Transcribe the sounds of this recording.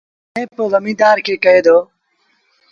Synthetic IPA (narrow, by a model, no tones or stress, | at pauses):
ẽːpoːɣəmĩːd̪aːɾkʰeːkəɦeːd̪oː